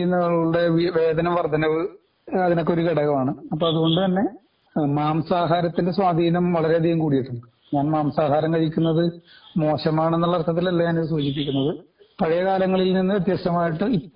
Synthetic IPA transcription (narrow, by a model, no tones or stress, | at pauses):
nːɐɐɭuuɽe̞ʋiʋe̞ːd̪ɐnɐmʋɐrd̪ʱɐnɐʋɨ | ɐðino̞kːeo̞ɾukeɽɐɣɐmaːɳɨɐpːoːmɐðuɣo̞ɳɖɨt̪ɐnːe̞ | maːmsaːɦaːɾɐt̪ːinde̞swaːd̪ʱiːnɐmʋɐɭɐɾe̞ɐd̪ʱijɐmkuːɽijiʈːuɳɖɨ | ɲaːnmaːmsaːɦaːɾɐmkɐɻikʲːunːɐðɨmo̞ːɕɐmaːɳenːuɭːɐrt̪ʰɐt̪ːilɐlːɐɲaːnisuːd͡ʑip̬ːikʲːunːɐðɨ | pɐɻɐjɐkaːlɐŋːɐɭilninːɨʋet̪jɐsɐmaːjiʈːɨi